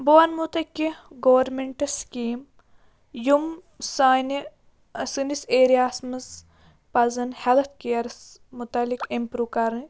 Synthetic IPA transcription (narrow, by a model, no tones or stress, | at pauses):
boɐnmut̪ɐkʲːiɡoʋɐɾmeɳʈɐskiːm | jum | san | sɨniseːɾijaːsmɐz | pɐzɐnhelt̪ʰkejɐɾsmut̪ɐlːikimpɾuːkɐɾɨ